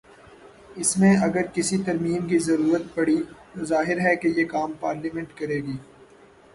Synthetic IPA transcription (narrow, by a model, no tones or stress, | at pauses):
ɪsmẽɐɡəɾkɪsit̪ɐɾmiːmk̬izɐɾuːɾət̪̚pɐɽit̪ozaːɦɪɾɦɛkejeːkaːmpaːɾlimɛ̃ɳʈkɐɾeːɡiː